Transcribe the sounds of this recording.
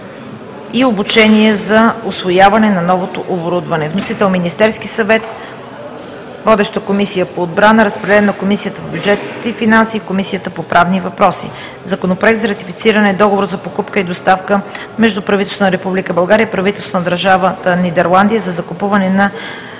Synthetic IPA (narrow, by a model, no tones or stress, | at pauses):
iobut͡ʃɛniɛzɐʊsvojavɐnɛnɐnɔvot̪oʔoboɾud̪vɐnɛvnosit̪ɛlˠminist̪ɛɾskisɐvɛt̪ | vɔd̪ɛʃt̪əkomisijəpoːd̪̚bɾanəɾəspɾɛd̪ɛɛnɐkomisijət̪əpobʲjud͡ʒɛt̪it̪ifinansiːkomisijət̪əpopɾʔavnivɐpɾɔsḭ | zɐkonopɾoɛk̚t̪zɐɾɐt̪ifit̪siɾənɛd̪ɔɡovoɾzɐpokupkəid̪ost̪afkə | mɛʒd̪upɾɐvit̪ɛlsnəɾɛpublikəbɐlˠɡaɾiəipɾɐvit̪ɛlˠst̪nəd̪əɾʒavət̪ənid̪ɛɾlˠand̪ijəzɐzɐkʊpuvɐnɛnɐ